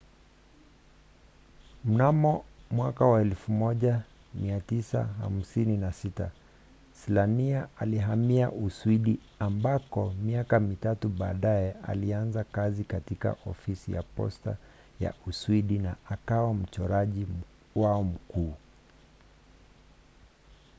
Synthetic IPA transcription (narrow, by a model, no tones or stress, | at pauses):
m̩namɔmwakawaɛlfumɔʄa | miatisa̰ha̰m̩sininasita̰ | slaniaaliɦamiaʔuswiɗi | ambakɔmiakamitatuɓa̰ːɗaɛa̰lianzakazikatika̰ʔɔfisija̰pɔ̰sta | ja̰usuwiɗinaːkawam̩t͡ʃɔɾaʄi | waɔm̩kuː